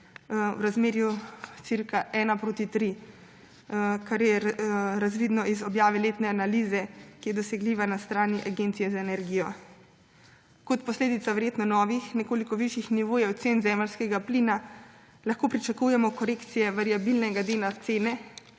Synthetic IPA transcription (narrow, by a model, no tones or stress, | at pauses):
wɾazmeːɾjut̪siɾkaʔɛːnapɾoːt̪it̪ɾi | kaɾjɛɾazʋiːd̪nɔʔizɔbjaːʋɛleːt̪nɛanalizɛkijɛd̪ɔsɛɡliːʋanast̪ɾaːniʔaɡeːnt̪sijɛzaenɛɾɡiːjɔ | kɔt̪pɔsleːd̪it̪saʋɛɾjeːt̪nɔnɔːʋixnɛkoːlikɔʋiʃjixniʋoːjɛwt̪seːnzɛːməlskɛɡapliːna | laxkoːpɾit͡ʃakujɛmɔkɔɾeːkt̪sijɛʋaɾiabilnɛɡad̪eːnat̪seːnɛ